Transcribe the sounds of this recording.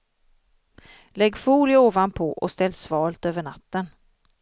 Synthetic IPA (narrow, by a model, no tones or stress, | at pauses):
lɛɡːfuːlɪoːvanpʰɔʔɔ̰st̪ɛlːsvɑːlt̪øːvəɳa̰t̪ːən